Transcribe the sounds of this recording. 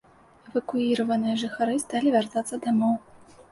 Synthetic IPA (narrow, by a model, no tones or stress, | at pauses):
ɛvɐkuiɾɐvɐnɨjɐʐɨxaɾɨst̪alʲivʲart̪at̪sːɐd̪amɔw